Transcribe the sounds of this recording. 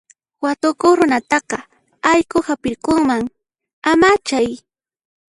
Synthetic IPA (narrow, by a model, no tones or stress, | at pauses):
wat̪ʊkoχɾʊnat̪ɑqɑ | ajkʊhapɪɾkoŋmaŋ | amat͡ʃaj